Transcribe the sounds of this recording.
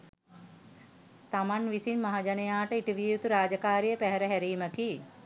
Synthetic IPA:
t̪amanʋisinmaɦad͡ʒanejaːʈəiʈiʋiːjut̪uɾaːd͡ʒəkaːɾijəpæɦɛɾəɦæɾiːməki

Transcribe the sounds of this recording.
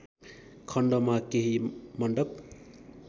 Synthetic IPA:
kʰʌɳɖʌmakeɦimʌɳɖʌp̚

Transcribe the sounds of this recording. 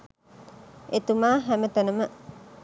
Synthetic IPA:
et̪umaːɦæmət̪ənəmə

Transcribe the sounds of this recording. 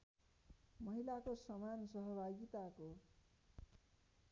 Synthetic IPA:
mʌɦilakosʌmansʌɦʌbʱaɡit̪ako

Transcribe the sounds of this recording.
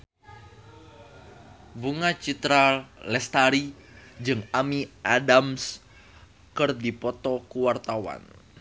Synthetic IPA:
buŋat͡ʃit̪ɾalɛst̪aɾid͡ʒɨŋamiʔadams | kɨrdipɔt̪ɔkuwart̪awa̰n

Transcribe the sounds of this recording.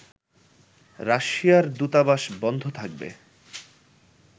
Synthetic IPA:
ɾaʃijaɾd̪ut̪abaʃbɔnd̪ʱot̪ʰak̚bḛ

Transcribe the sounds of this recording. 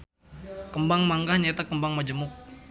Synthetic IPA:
kəmbaŋmaŋɡahɲat̪akəmbaŋmad͡ʒəmʊk̚

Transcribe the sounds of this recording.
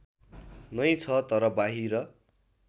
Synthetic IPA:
nʌjt͡sʰʌt̪ʌɾʌbaɦiɾʌ

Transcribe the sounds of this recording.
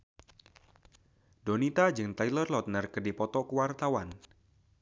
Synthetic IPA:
donit̪ad͡ʒɨŋt̪ailərlɔt̪̚nərkərdipɔt̪ɔkəwart̪awan

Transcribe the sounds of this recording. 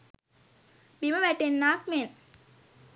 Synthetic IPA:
biməʋæʈenːaːkmen

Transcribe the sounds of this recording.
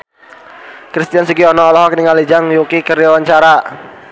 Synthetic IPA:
kɾist̪ijansikiɔnɔːlɔɦɔkəniŋalid͡ʒaŋjukikərjawaɲt͡ʃaɾa

